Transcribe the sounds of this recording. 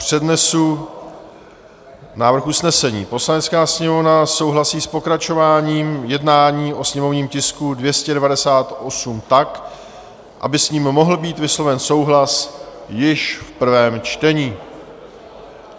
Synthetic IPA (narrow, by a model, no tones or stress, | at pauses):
pr̝̥ɛdnɛsu | naːvr̩xusnɛsɛɲiːpo̞slanɛt͡skaːsɲɛmovnaso̞wɦlasiːspo̞kɾat͡ʃo̞vaːɲiːmjɛdnaːɲiːʔo̞sɲɛmo̞vɲiːmcɪskudvjɛscɛdɛvadɛsaːt̪ʔo̞sumt̪ak | ʔa̰bɪsɲiːmːo̞ɦl̩biːt̪vɪslo̞vɛnso̞wɦlas | jɪʃfpr̩vɛːmt͡ʃt̪ɛɲiː